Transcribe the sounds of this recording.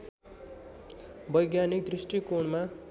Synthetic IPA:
bʌjɡjanik̚d̪risʈikoɳma

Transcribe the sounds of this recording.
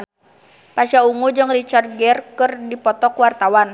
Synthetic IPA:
paʃauŋud͡ʒɨŋrit͡ʃar̚ɡɛrkɨrdipɔt̪ɔkwart̪awan

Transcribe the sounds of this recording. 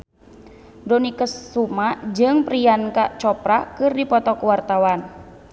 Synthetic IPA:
dɔnikəsːumaʔd͡ʒɨŋpɾijankaʔt͡ʃɔpɾakɨrdipɔt̪ɔkuwart̪awan

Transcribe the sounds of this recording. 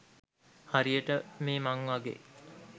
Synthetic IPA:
haɾijəʈəmeːmaŋʋaɡḛː

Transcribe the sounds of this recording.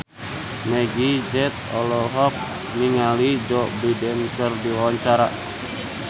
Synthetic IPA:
mɛɡid͡ʒɛt̪̚ɔlɔɦɔk̚ | niŋalid͡ʒɔbidɛnsərdiwawaɲt͡ʃaɾa

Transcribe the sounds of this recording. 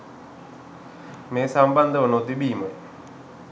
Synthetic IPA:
meːsamband̪əʋənot̪ibiːməj

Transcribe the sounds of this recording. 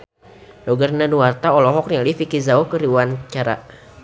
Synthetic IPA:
dɔɡarnanuwart̪aɔlɔɦɔk̚nalifikizaokəɾiuant͡ʃaɾa̰

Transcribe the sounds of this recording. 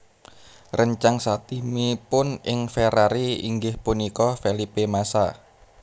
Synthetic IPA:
rʔəɲt͡ʃaŋsat̪imipʊnɪŋfeɾaɾiḭŋɡɪhpunikɔfelipemasa̰

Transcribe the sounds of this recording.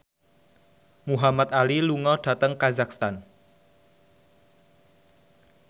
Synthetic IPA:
muɦamat̪̚aliluŋɔɖ̥ä̤t̪əŋkazak̚st̪an

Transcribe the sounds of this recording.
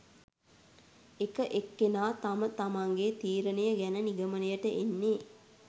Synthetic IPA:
ekəʔekːenaːt̪amət̪amaŋɡet̪iːɾənejəɡænəniɡəmənəjəʈəʔenːe

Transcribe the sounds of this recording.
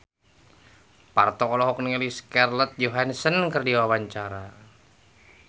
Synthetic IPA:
pa̰rt̪ɔkɔlɔɦɔk̚niliskɛrlət̪̚d͡ʒoɦansənkərdiwawaɲt͡ʃaɾa

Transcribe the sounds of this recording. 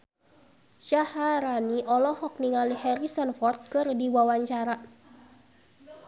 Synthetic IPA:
ʃahaɾaniʔɔlɔhɔk̚niŋalihɛɾisənfɔrt̪̚kɨrdiwawaɲt͡ʃaɾa

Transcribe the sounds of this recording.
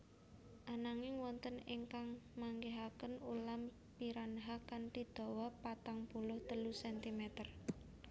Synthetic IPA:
ʔanaŋɪŋwɔnt̪əneŋkaŋmaŋɡeɦakənulam | piɾanɦakant̪i̤d̪̥o̤wɔpat̪aŋpulʊht̪əlusɛnt̪imɛt̪ər

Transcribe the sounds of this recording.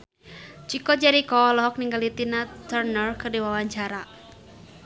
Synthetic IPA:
t͡ʃikɔd͡ʒaɾikɔlɔɦɔk̚niŋɡalit̪inat̪ərnərkɨrdiwawaɲt͡ʃaɾa

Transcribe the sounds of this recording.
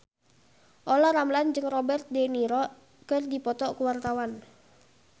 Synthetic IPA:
ʔolɔɾamland͡ʒɨŋrɔbɛrt̪̚deniɾɔ | kɨrdipɔt̪ɔkuwart̪awan

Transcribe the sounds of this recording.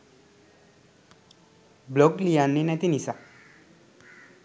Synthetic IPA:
blɔɡlijanːinɛ̃t̪inisa

